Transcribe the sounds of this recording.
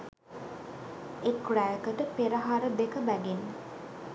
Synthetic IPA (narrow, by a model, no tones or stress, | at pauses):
ekræjəkəʈəpeɾəɦaɾəd̪ekəbæɡenːə